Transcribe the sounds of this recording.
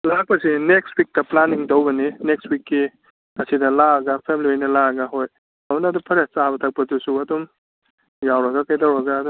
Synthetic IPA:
lak̚pɐsinekstwik̚tɐplaniŋtowbɐninekswikːi | ɐsidɐlaɐɡapʰemlojnɐlaɐɡaɦoj | ɐnɐdupʰɐɾesabɐtʰak̚pɐtusuɐdɔm | jawɾɐɡakajtawɾɐɡaːdɔ

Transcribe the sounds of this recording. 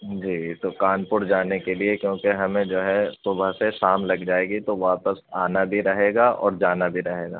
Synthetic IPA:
d͡ʒiːt̪okaːnpʊɽd͡ʒaːnekeliekjõːkeɦɐmẽd͡ʒoːɦɛsubʱaseʃaːmlɐɡd͡ʒaːeːɡit̪oʋapəsaːnabʱiɾɐɦeːɡaʔɔ̰ːɾd͡ʒaːnabʱiɾɐɦeːɡa̰ː

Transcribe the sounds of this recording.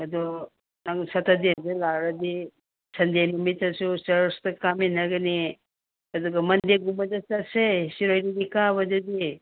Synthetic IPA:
ɐdɔ | naŋsɐtʰɐdezelaɾɐdi | sɐnd̪enumit͡ʃɐsusɐɾstɐkaminɐɡɐni | ɐd̪uɡɐmɐnd̪eɡumɐd͡ʒɐt͡ʃɐtsesiɾojdidikabɐd͡ʒɐd̪i

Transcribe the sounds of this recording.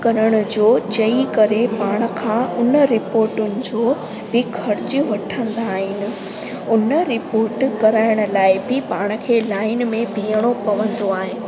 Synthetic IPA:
kɐɾəɽ̃ʊ̆d͡ʑoːt͡ɕɐikɐɾepaːɽ̃̆kʰãːʊnə̆ɾɪpoːɾʈʊnɪ̆d͡ʑoː | bɪkʰɐɾɪt͡ɕəʋɐʈʰə̃nd̪aːɦɪnɪ̆ | ʊnəɾɪpoːɾʈkɐɾaːɪɽ̃̆laːɪbɪpaːɽ̃ə̆kʰeːlaːɪn̆mẽbiːəɽ̃okɐʋə̃nd̪oaːɦɪɪ̆

